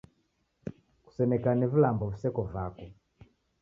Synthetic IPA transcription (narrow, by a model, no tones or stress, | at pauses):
ku̥sɛmɛkanivilambɔvusɛkɔvakɔ